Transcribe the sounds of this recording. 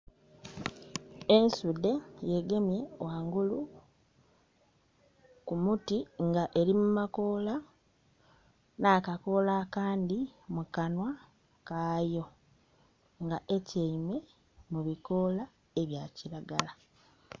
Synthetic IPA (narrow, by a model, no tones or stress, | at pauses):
e̞nsude̞je̞ɡe̞mje̞waːŋɡulu | kumutiŋɡaʔe̞ɾimumako̞ːla | naːkako̞lakaːndimukanwa | kaːjo̞ | ŋɡaʔe̞ceime̞ | muβiko̞la | e̞βjaciɾaɡala